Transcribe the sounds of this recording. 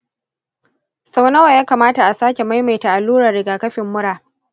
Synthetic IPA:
sa˦wnɐ˦wa˨jaː˦kaː˨maː˦ta˨ʔa˨saː˦kʲe˨ma˦jma˨jta˨ʔa˨lːuː˦ɾɐ˨rɽɪ˨ɡaː˨kɐ˦ɸɪ˨mːʊ˦ɽaː˨

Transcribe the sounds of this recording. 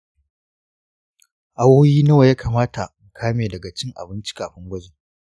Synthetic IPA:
ʔa˦woː˦jiː˦nɐ˦wa˨jaː˦kʰaː˨maː˦ta˨m˨kʰaː˦meː˨dɐ˨ɡa˨t͡ʃɪ˦ŋʔa̰˨bɪ˦nt͡ʃi̥˦kaː˨ɸɪ˦ŋɡʷɐ˦d͡ʒeː˨

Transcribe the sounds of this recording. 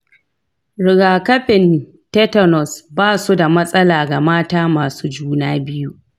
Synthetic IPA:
ɽɪ˨ɡaː˨kɐ˦ɸɪ˨n | tɛ˦tɐ˨nɔ˨sbaː˦˨su˦da˨mɐ˦sʼɐ˦laː˨ɡa˨maː˦taː˦maː˨suː˦d͡ʒuː˦naː˦bɪ˦ju˦ʔ

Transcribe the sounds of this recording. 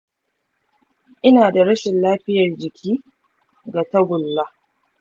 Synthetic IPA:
ʔɪ˦naː˨da˨ɾɐ˦ʃɪ˨nlaː˦ɸɪ˦jɐ˨rd͡ʒɪ˨kʲʰiː˦ | ɡa˨tɐ˦bʊ˨lːa˦

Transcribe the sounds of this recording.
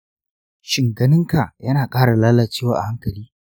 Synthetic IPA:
ʃɪ˨ŋɡɐ˦nɪ˦ŋka˨jɐ˦naː˨kʼaː˦ɽa˨laː˦lɐ˨t͡ʃeː˦waː˨ʔa̰˨ha˦ŋkɐ˨liː˦

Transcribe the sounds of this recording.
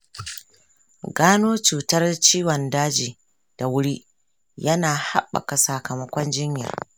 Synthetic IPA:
ɡaː˦noː˦t͡ʃuː˨tɐ˦rt͡ʃiː˦wɔ˨ndaː˦d͡ʒiː˨ | d̥a˨wʊ˦ɽi˦ | jɐ˦naː˨ha̰˦ɓːa̰˨ka˨sa˨kɐ˨mɐ˦kʷɔ˦nd͡ʒɪ˦ɲja̰˨

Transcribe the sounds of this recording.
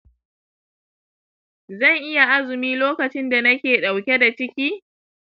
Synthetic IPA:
zɐ˦˨ŋʔɪ˦ja˨ʔa˦zʊ˨miː˦loː˦kɐ˨t͡ʃɪ˦nda˨nɐ˦kʲeː˨ɗa˨wkʲe˦da˨t͡ʃɪ˦kʲiː˦

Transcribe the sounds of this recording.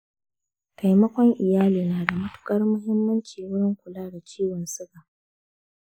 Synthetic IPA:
ka˨jmɐ˦kʷɔ˦ŋʔɪ˨jaː˦liː˨naː˨da˨mʊ˦tʊ̥˦kʼɐ˦rmʊ˦ɦɪ˦mːɐ˦nt͡ʃiː˨wʊ˦ɽɪ˦ŋkʷʊ˨laː˦da˨t͡ʃiː˦wɔ˨nsʊ˦ɡa˨ʔ

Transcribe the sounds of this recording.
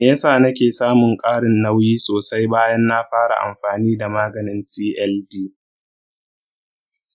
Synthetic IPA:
ʔjɐ˦saː˦˨nɐ˦kʲeː˨saː˦mʊ˨ŋkʼaː˦ɽɪ˨nːɐ˦wjiː˦soː˨sa˦jbaː˦jɐ˦nːa˦ɸaː˦ɽa̰˨ʔa̰˨mɸaː˨niː˦da˨maː˦ɡɐ˨nɪ˦ntiː˦ʔɛ˦ldiː˦

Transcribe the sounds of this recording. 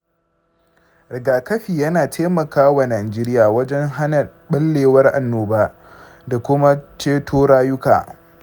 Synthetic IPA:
ɾɪ˨ɡaː˨kɐ˦ɸiː˨jɐ˦naː˨tʰe˦mɐ˨kaː˦wa˨naː˨d͡ʒeː˦ɾɪ˦jaː˨wɐ˦d͡ʒɛ˦ŋɦa˦nɐ˨ | ɓɐ˦lːeː˨wɐ˦rʔa̰˨nːoː˨baː˦ | da˨kʷʊ˦ma˦t͡ʃeː˦tʰoː˦ɽaː˦jʊ˦ka̰ː˨

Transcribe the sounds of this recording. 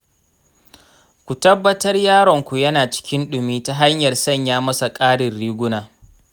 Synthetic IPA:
kʷu˨tɐ˦bːɐ˦tɐ˦rjaː˦ɽɔ˨ŋkʷu˨jɐ˦naː˨t͡ʃɪ̥˦kʲɪ˦nɗʊ˨miː˦ta˦ɦa˦ɲjɐ˨rsɐ˦˨ɲjaː˦mɐ˦sa˨kʼaː˦ɽɪ˨rːiː˦ɡʷʊ˦naː˨

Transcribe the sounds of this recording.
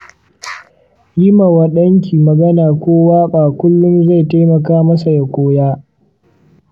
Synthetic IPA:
ji˦ma˨wɐ˦ɗɐ˦ŋkʲiː˨mɐ˨ɡɐ˦naː˨kʷoː˦waː˦ɓaː˨kʷʊ˦lːʊ˦nza˦˨jta˦jmɐ˨kaː˦mɐ˦sa˨ja˨kʷoː˦jaː˦

